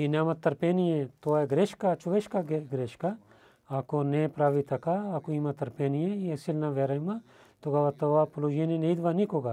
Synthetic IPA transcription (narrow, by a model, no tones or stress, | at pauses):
inamɐt̪ːɐɾpeːniẽt̪oːeɡɾeʃkat͡ʃʰuʋeʃkaɡeɡɾeʃka | akonepɾaːʋit̪ɐkaːkoimɐt̪ɐɾpeːnijẽesilnaʋeɾɐima | t̪oɡaʋat̪oʋaplod͡ʒenineid̪ʋanĩkoɡa